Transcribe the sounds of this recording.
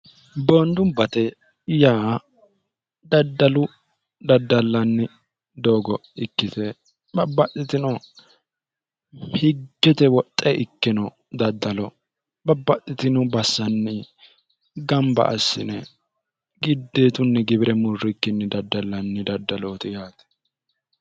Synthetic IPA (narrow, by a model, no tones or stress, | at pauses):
boːnd̪ʊmbɐt̪ɛ | jaː | d̪ɐd̪ːɐlʊ | d̪ɐd̪ːɐlːɐnːɪ | d̪o̞ːɡɔɪkːɪt̪ɛ | bɐbːɐt̪ʼːɪt̪ɪnɔ | hɪɡːɛt̪ɛwɔt̪ʼːɛʔɪkːɪnɔ | d̪ɐd̪ːɐlɔ | bɐbːɐt̪ʼːɪt̪ɪnɔbɐsːɐnːɪ | ɡɐmbɐ̰ʔɐsːɪnɛ | ɡɪd̪ːeːt̪ʊnːɛɡɪbɪɾɛmʊrːɪkːɪnːɪd̪ɐd̪ːɐlːɐnːɪd̪ɐd̪ːɐloːt̪ɪjaːt̪ɛ̥